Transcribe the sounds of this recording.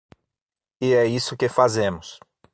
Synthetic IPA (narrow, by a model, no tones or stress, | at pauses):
ɪɛisʊkɪfazẽmʊs